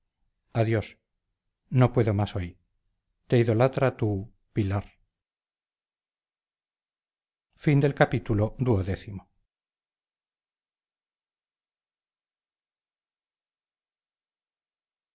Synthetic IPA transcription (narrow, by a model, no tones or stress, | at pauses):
aðjos | nopwe̞ðomasoj | t̪eiðo̞lat̪ɾat̪u | pilaɾ | find̪e̞lkapit̪ulod̪uoðeθimo